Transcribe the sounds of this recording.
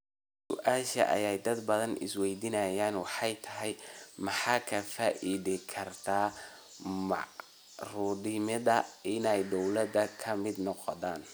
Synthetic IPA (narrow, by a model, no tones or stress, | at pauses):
ssʊ̰ʔaːʃɐ̰ʔɐ̰jɛjd̪ɐd̪bɐðɐnʔɪ̰swɛjd̪ɪnɐjaːnwɑħɑjt̪ʰɐɦɛjmɑħɑːkʰɐfaːʔɪðɪkʰɐrt̪ʰaː | mɑ̰ | ruːdɪmɪðɐɪnɛjd̪ɔwlɐd̪ɐkʰɐmɪd̪nɔqɔðaːn